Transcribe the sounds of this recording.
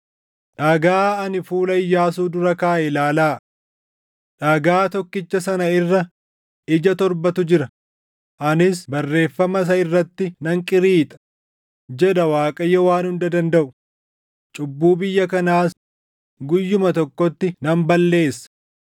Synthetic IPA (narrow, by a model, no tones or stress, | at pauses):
ᶑaːɡaːɐnɪfuːlɐɪjːaːsuːd̪ʊɾɐkaːʔɛlaːlaː | ᶑaːɡaːt̪ɔkːɪt͡ʃːɐsɐnɐɪrːɐ | ɪd͡ʒɐt̪ɔɾbɐt̪ʊd͡ʒɪɾɐ | ʔɐnɪsbɐrːe̞ːfːɐmɐs̬ɐɪrːɐt̪ːɪnɐŋkʼɪɾiːt̪ʼɐ̥ | d͡ʒɛɗɐwaːkʼɐjːɛwaːnhʊnd̪ɐd̪ɐnd̪ɐʔʊ | t͡ʃʼʊbːuːbɪjːɐkɐnaːs | ɡʊjːʊmɐt̪ɔkːɔt̪ːɪnɐmbɐlːe̞ːsːɐ̥